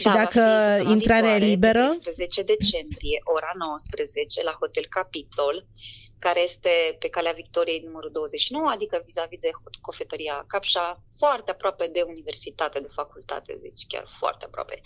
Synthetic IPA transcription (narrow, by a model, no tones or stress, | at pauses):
ʃid̪akəinɾaɾealibe̞ɾəspɾəzet͡ʃe̞d̪e̞t͡ʃe̞mbɾije̞ʔo̞ɾano̞wəspɾəze̞t͡ʃe̞laho̞t̪elkapit̪o̞lkaɾe̞je̞st̪e̞pe̞kaleavik̚t̪o̞ɾije̞jnuməɾud̪o̞wəzeʃino̞wəad̪ikəvizavid̪eko̞fe̞t̪əɾiakapʃa | foart̪eapɾoape̞d̪e̞unive̞rsit̪at̪ed̪e̞fakult̪a̰t̪e̞̰d̪ḛt͡ʃʲkʲa̰rfoa̰rt̪eapɾoa̰pe̞